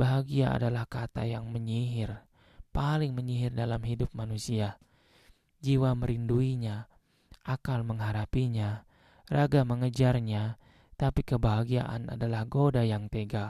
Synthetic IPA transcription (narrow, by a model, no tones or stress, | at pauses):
baɦaɡiaa̰dalahkat̪a̰jaŋməɲiɦɪr | palɪŋməɲiɦɪrdalamɦidʊp̚manusia | d͡ʒiwaməɾinduiɲa | ʔakalməŋɦaɾapiɲa | raɡaməŋəd͡ʒarɲa | t̪apikəbaɦaɡiaʔa̰na̰dalahɡodajaŋt̪eɡa